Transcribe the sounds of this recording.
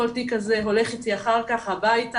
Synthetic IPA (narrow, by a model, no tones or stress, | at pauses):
oltikazeɦo̞le̞χitiaχaʁkaχhabajta